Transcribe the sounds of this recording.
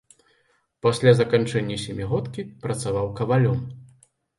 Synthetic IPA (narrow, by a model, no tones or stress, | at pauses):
pasʲlʲazɐkant͡ʂɛnʲːɐsʲɛmʲiɣɔt̪kʲipɾɐt̪savawkɐvalʲɔm